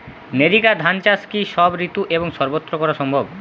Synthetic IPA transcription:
neɾikad̪ʱant͡ɕaskiʃɔbɾit̪uʔeboŋʃɔɾbot̪ːɾokɔɾaʃɔmbʱob

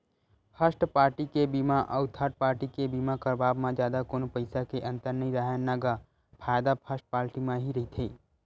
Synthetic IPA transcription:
pʰəsʈpaːɾʈikebiːmaʔɐʊt̪ʰaʈ̚paːɾʈikebiːmakɐɾbaːbmãd͡ʒjaːd̪akoːnopɐɪsakeʔɐ̃nt̪əɾnəĩɾaɦanaɡa | pʰaːjd̪apʰəsʈ̚paːɾʈimãɦiɾɐɦit̪ʰeː

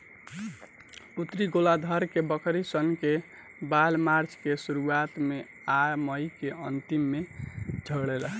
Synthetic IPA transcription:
ut̪ɾiɡolad̪ʱəɾkebəkʰɾisənke | balmaɾt͡ʃʰkesuɾuat̪me | aməjkeʔə̰nt̪imːed͡ʒʱəɡɽɛlɦɛ

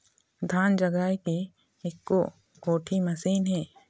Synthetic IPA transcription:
d̪ʱaːnd͡ʒəɡaːjki | ɪkːo | koːʈʰimɐsiːnɦɛː

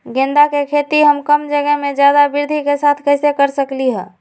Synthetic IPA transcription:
ɡẽnd̪akekʰet̪iɦəmkəmd͡ʒəɡəɦmẽd͡ʒjad̪abɪɾd̪ʱikesaːt̪ʰkəɦɪsekəɾsəkliɦɛ̰̃ː

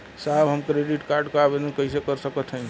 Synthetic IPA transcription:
sabɦəmkɾeɖiʈkaɾɖkɾabenũkəɦisekəɾsəkət̪ʰɦə

